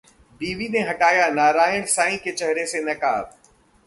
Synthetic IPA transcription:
biːʋinẽɦɐʈaːjanaːɾaːəɽ̃saːĩkʰet͡ʃɐɦɾesenɐkaːb

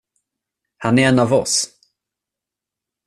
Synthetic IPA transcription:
hanæɾɛnavɔ̰s

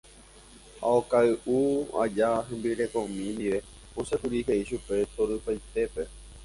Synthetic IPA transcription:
a̰okaɨʔua̰d͡ʒaɦẽ̞mbiɾe̞kõmĩnd̪iʋe̞ | õsekuɾiɦeiʃupe̞t̪oɾɨpajt̪e̞pe̞

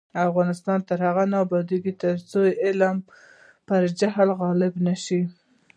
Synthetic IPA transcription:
afɣɑnɪst̪ɑnt̪əɾhaɣanɑbɑd̪iɡit̪əɾt͡sojɪlm | pəɾd͡ʒaɦlɣɑlɪbnaʃi

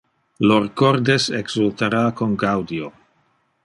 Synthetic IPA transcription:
loɾkoɾd̪eseɡsult̪aɾaːkonɡawd̪io

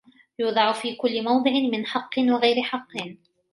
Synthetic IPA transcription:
juːd̪ˤɑʕʊfiːkʊlːɪmɑwd̪ˤɨʕɪmɪnħɑqːɨnwɑɣajɾɪħɑqːɨn

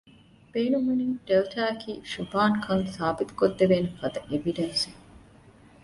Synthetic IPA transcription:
b̥eːnumuninʈelʈ̪aːkʰiːʃubaːŋkʰɐŋsaːbit̪u̥kod̪ːebeːnefɐd̪ɐʔeʋiɖensi

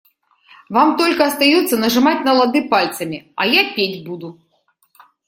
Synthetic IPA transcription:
vamt̪ɔlʲkɐɐst̪ajɔt̪sːɐnɐʐɨmat͡sʲnɐlˠad̪ɨpalʲt̪sɐmʲiɐ̰japʲed͡zʲbud̪u

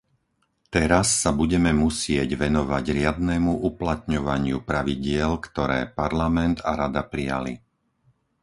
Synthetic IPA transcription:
t̪ɛɾasːabuɟɛmɛmusɪɛɟʋɛnɔʋaɟɾɪad̪nɛmuʔuplat̪ɲɔʋaɲɪupɾaʋiɟɪɛlkt̪ɔɾɛ̰ːpaɾlamɛnt̪aɾad̪apɾija̰lḭ

